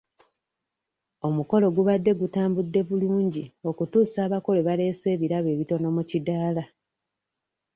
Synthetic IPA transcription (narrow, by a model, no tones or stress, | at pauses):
o̞muko̞lo̞ɡuβadːe̞ɡutaːmbudːe̞βuluːɲɟio̞kutuːsaːβako̞le̞βale̞ːse̞ːβiɾaβe̞ːβito̞no̞mucidaːla